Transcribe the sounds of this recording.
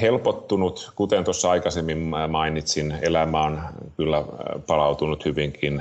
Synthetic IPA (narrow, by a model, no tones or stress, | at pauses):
helpot̪ːunut̪kut̪ent̪osːɑɑikɑsemːimmɑinit̪sinelæmæonkylːæpɑlɑut̪unut̪hyʋiŋkin